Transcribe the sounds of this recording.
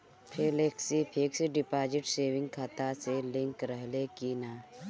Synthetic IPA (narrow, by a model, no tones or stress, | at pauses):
pʰeleksipʰeksiɖipad͡ʒiʈseʋĩŋɡkʰat̪aselĩŋkɾəɦlekina